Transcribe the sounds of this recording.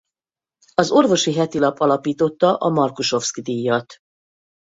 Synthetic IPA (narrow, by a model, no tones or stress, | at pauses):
ɒzo̞rvo̞ʃiɦɛt̪ilɒpɒlɒpiːt̪o̞t̪ːɒʔɒmɒrkuʃo̞ft̪skd̪ijːɒt̪